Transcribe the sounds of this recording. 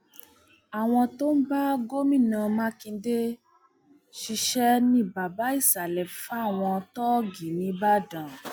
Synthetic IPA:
a˨w̃ɔ̃˧to˦n̩˦ba˦ɡo˦mĩ˦˨nã˧˨mã˦kĩ˧de˦ | ʃi˧ʃɛ˦nĩ˦ba˨ba˨˦i˦˨sa˨lɛ˨fa˦˨w̃ɔ̃˧tɔ˦ɡi˨nĩ˨˦ba˦dã˨

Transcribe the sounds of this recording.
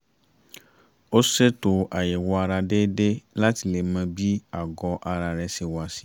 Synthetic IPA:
o˦se˦t̪o˨ʔa˨je˨wɔ˦a˨ɾa˨ɖe˦ɖe˦la˦t̪i˨le˨mɛ̃˨bi˦a˨ɡɔ˨ʔa˨ɾa˨ɾɛ˨se˨wɔ˨a˨si̥˨

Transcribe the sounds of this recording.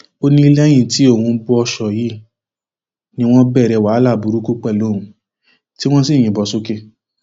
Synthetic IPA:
o˦nĩ˦i˧˦lɛ˦j̃ĩ˦˨ti˨˦o˦˨hũ˧˦bɔ˧ɔ˧ʃɔ˨ji˨˦ | nĩ˧w̃ɔ̃˦bɛ˦˨ɾɛ˧˨wa˨˦la˦˨bu˨˦ɾu˦ku˦k͡pɛ˦˨lo˨˦˨ũ˧˦ | ti˦w̃ɔ̃˦si˦˨j̃ĩ˨bɔ˨so˦ke˦

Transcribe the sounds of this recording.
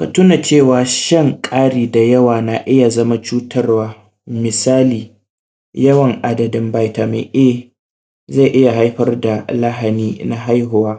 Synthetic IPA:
ka˨tʊ˦na˨t͡ʃeː˦˨waː˨ʃɐ˦ŋkʼaː˦ɽiː˨da˨jɐ˦waː˨na˨ʔɪ˦ja˨zɐ˦ma˦t͡ʃuː˦tʰɐ˦rwaː˦ | mɪ˨saː˦liː˨ | jɐ˦wɐ˨ŋʔa˦dɐ˨dɪ˦mba˦jta˨mḛ˨ʔe˦ | za˦˨ʔɪ˦ja˨ɦa˦jɸɐ˦rda˨la˦ɦa˨niː˦na˦ɦa˦jɦʊ˨waː˦

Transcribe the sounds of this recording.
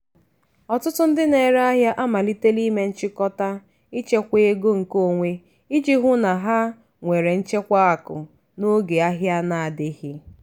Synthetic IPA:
ɔ˨tʊ˦tʊ˦n̩˦dɪ˦ne˨ɾe˦a˦ɦja˦ʔa˦ma˨li˦te˦li˦me˦n̩˦t͡ʃɪ˦kɔ˦ta˦ | i˦t͡ʃe˦kʷe˦ɡo˦ŋ̩˨ko˦˨ŋʷe˦ | i˦d͡ʒi˦ɦʊ˦na˨ɦa˦ | ŋʷe˨ɾe˨n̩˦t͡ʃe˦kʷa˦a˨kʊ˨ | no˦ɡe˨a˦ɦja˦na˨a˨dɪ˦hɪ˦

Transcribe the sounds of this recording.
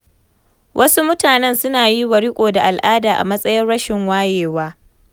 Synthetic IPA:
wʔɐ˦su˦mʊ˦taː˨nɛ˦nsʊ˦naː˨ji˦wɐ˨ɽi˦kʷʼoː˨da˨ʔa˨lʔaː˦daː˨ʔa̰˨mɐ˦sʼɐ˦jɪ˦nɽɐ˦ʃɪ˨ŋwaː˦jeː˨waː˦

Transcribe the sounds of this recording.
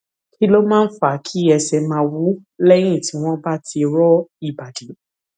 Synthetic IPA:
kʰi˦lo˦mãː˦n̩˦fa˨˦kʰi˦ɛ˧sɛ˧mã˧˦wu˦lɛ˦ɾ̃ĩ˦˨ti˨˦w̃ɔ̃˦ba˦ti˧ɾɔ˦i˨ba˨di˨˦

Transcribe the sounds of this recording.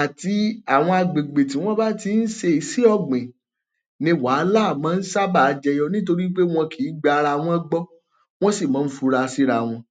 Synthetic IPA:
a˨ti˧a˦˨w̃ɔ̃˧a˧ɡ͡be˨ɡ͡be˨t̬i˨˦w̃ɔ̃˦ba˦ti˧n̩˦ʃe˧i˨si˦ɔ˦˨ɡ͡bẽ˨ | nĩ˧waː˨˦la˦˨mãː˨˦˧n̩˦sa˦ba˦˨˧d͡ʒɛ˧jɔ˧nĩ˦t̬o˧ɾi˦k͡pe˦w̃ɔ̃˧kʰi˨˦ɡ͡ba˧ɾa˧˨w̃ɔ̃˧˦ɡ͡bɔ˦ | w̃ɔ̃˦si˦˨mã˨˦fu˧ɾa˧si˦ɾa˧˨w̃ɔ̃˧

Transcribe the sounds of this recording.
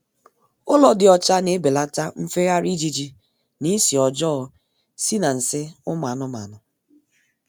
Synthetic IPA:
ʊ˦lɔ˨dɪ˨ɔ˨t͡ʃa˦ne˦be˨la˦ta˦m̩˦fe˦ɣa˦ɾi˦d͡ʒi˦d͡ʒi˦ | ni˦si˨ɔ˨d͡ʒɔ˦ɔ˨ | si˦na˨n̩˨sɪ˦ʊ˦m˨a˨nʊ˦ma̰˨nʊ˨

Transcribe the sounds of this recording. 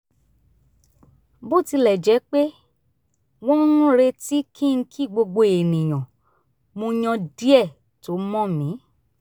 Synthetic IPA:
bo˦˨ti˧lɛ˨d͡ʒɛ˨˦k͡pe˦ | w̃ɔ̃˦nũ˦ɾe˧ti˦kʰĩ˦˧ñ̩˧kʰi˦˨ɡ͡bo˧ɡ͡bo˧e˨nĩ˨j̃ɔ̃˨ | mõ˧j̃ɔ̃˧di˦ɛ˦˨ | to˨˦mɔ̃˦mĩ˨˦

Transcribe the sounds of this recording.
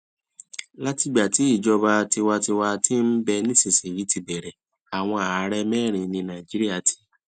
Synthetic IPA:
la˦ti˧ɡ͡ba˨ti˨˦i˦˨d͡ʒɔ˧ba˧ti˧wa˧ti˧wa˧ti˦n̩˦bɛ˧nĩ˦si˨si˨ɾi˨˦ti˧bɛ˨ɾɛ˨ | a˨w̃ɔ̃˧a˨a˦ɾɛ˦mɛː˦˨ɾ̃ĩ˨˧nĩ˧nã˨d͡ʒi˦ɾi˦a˦˨tʰi̥˨˦

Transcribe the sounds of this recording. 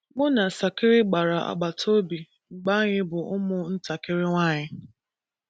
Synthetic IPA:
ɡ͡bʊ˦na˨sa˨kɪ˦ɾɪ˦ɡ͡ba˨ɾa˨a̰˨ɡ͡ba˨tʰo˦bi˨ | ŋ͡m̩˨ɡ͡ba˦ɲɪ˦bʊ˨ʊ˦mʊ˦n̩˦ta˨kɪ˦ɾɪ˦ŋʷa˦˨ɲɪ˦

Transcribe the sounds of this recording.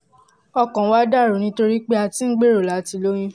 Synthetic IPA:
ɔ˧kɔ̃˨˦wa˦da˦˨ɾo˨nĩ˧˦to˧ɾi˦k͡pe˦a˧ti˦n̩˦ɡ͡be˦˨ɾo˨la˨˦ti˧lo˦j̃ĩ˧

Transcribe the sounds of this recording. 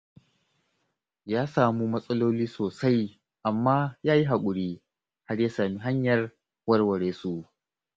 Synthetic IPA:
jaː˦saː˨mu˦mɐ˦sʼɐ˦loː˦liː˦soː˨sa˦j | ʔa˨mːaː˦jaː˦ji˦ɦa˨kʷʼʊ˨ɽiː˦ | ha˦rjaː˦saː˨mi˦ɦa˦ɲjɐ˨r | wɐ˦rwɐ˨ɽeː˨su˦˨ʔ

